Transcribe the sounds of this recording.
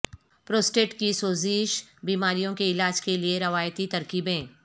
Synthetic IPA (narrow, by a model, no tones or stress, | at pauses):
pɾoːsʈeːʈkisoːzɪʃbiːmaːɾijõkeɪlaːd͡ʒkelieɾɐʋaːjt̪it̪ɐɾkiːbẽː